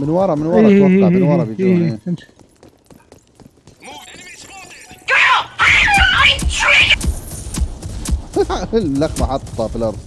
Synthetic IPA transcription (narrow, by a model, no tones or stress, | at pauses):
mɪnwɑɾˤɑmɪnwɑɾˤɑwaft̪ːɑʕmənwɑɾˤɑbjd͡ʒinː | lːaxmaħɑt̪ˤːɑfilʔɑɾˤðˤ